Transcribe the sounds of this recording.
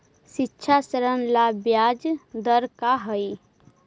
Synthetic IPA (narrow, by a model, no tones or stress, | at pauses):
ʃitːʃʰasəɾənlabjaːd͡ʒd̪əɾkaɦəi